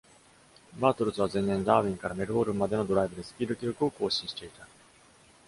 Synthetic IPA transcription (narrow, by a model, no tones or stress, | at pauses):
baːt̪oɾɯ̟t͡sɨβazẽ̞nːẽ̞nd̪aːβʲĩŋkaɾame̞ɾɯ̟bo̞ːɾɯ̟mmːad̪e̞nod̪o̞ɾaibɯ̟d̪e̞sɨ̥pʲiːd̪okʲiɾʲokɯ̟o̞ko̞ːɕĩɰ̃ɕi̥t̪e̞it̪a